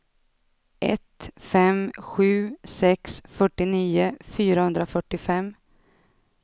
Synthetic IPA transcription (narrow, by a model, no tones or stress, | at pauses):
ʔɛ̰t̪fɛmɧʉ̟ːsɛksfœʈːɪniːʊfyːɾahɵnd̪ɾafœʈːɪfɛmː